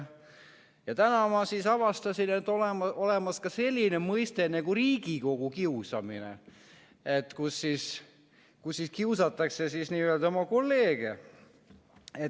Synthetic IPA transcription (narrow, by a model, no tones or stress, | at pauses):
jɑt̪ænɑmɑsisɑvɑst̪ɑsinet̪ːolemole̞mɑskɑse̞lʲːinemɤjst̪enekuriːɡ̥iko̞ɡ̥ukiusɑ̰mḭnḛ | et̪ːkusːis | kusːiskiusɑt̪ːˑɑkse̞sisniːøld̪o̞mɑko̞lːe̞ːɡ̥e | e